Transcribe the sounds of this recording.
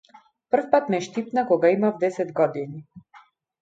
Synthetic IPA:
pr̩fpat̪mɛʃt̪ip̚nakɔɡaimavd̪ɛsɛd̪ɡɔd̪ini

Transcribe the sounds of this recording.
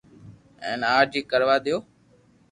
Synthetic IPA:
ɛ̰̃ːnaːd͡ʒiːkəɾʋaːɗ̪ɪjoː

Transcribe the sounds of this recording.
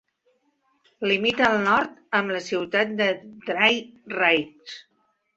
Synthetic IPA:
limit̪əːlˠnɔɾt̪əmləsiwt̪at̪̚d̪əd̪ɾajrajs

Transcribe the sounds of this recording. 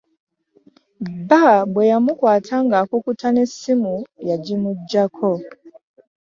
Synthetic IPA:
babwɛjamukwaːtʰaŋɡakukutʰanesimujaɟimud͡ʒakʰɔ

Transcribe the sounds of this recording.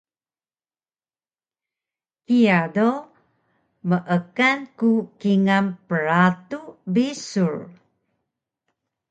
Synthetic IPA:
kijado | məʔəkankukiŋampəɾatubisuɹ

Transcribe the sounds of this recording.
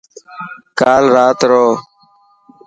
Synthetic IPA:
kaːlɾaːt̪ɾoː

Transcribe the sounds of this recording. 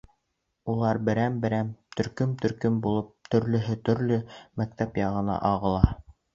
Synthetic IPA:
ulˠɑɾbɘ̆ɾæmbɘ̆ɾæmt̪ɵ̆ɾkɵmt̪ɵ̆ɾkɵmbulˠɤp̚t̪ɵ̆ɾlɵ̆ɦɘt̪ɵ̆ɾlɵmæk̚t̪æpjɑʁɤ̆nɑ̰ʔɑʁɤ̆lˠɑ

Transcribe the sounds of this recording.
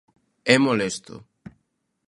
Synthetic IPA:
ɛmolest̪o̰

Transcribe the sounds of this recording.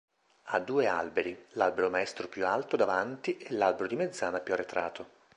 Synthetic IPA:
ad̪ːuːea̰lbeɾilalbeɾomaɛst̪ɾopjualt̪od̪avant̪iʔelːalbeɾod̪imed̪zːaːnapjuarːet̪ɾaːt̪ʰo

